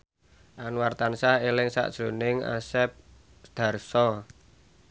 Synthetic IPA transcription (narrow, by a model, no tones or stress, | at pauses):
ʔanwart̪ansahelɪŋsa̰ʔd̥ʒ̥ɾo̤nɪŋa̰sɛp̚ | d̪̥a̤rsɔ